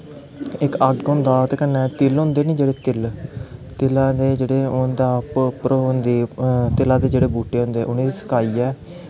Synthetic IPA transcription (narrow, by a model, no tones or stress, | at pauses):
ɪkəɡɡʊnd̪aːt̪kənːɛ̃ːt̪ɪlɦʊ̃nd̪eːnĩːd͡ʒeːɽeːt̪ɪl | t̪ɪlãːd̪eːd͡ʒeːɽeːʊnd̪aːppɾoːɦʊnd̪eːt̪ɪlãːd̪eːd͡ʒeːɽeːbuːʈeːɦʊ̃nd̪eːʔʊnẽːd̪iːsə̥kaːiːɛː